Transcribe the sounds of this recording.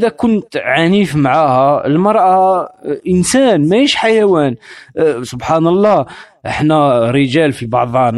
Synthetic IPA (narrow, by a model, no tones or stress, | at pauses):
ʔd̪ækʊnt̪ʕanifmaʕahæəlmɑɾˤʔɑʔənsænmæiʃħajæwænsʊbħanɑlˤːɑ | ʔəħnæɾəʒælfibɑʕd̪ˤɑn